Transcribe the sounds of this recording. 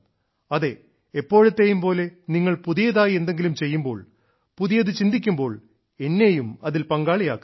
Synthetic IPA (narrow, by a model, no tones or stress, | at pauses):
ɐðe̞ | epːo̞ːɻɐt̪ːe̞jumpo̞ːle̞niŋːɐɭpuðijɐðaːje̞nd̪e̞ŋɡilumt͡ɕe̞jːumbo̞ːɭ | puðijɐðɨt͡ɕind̪ikʲːumbo̞ːɭ | e̞nːejumɐðilpɐŋɡaːɭijaːkː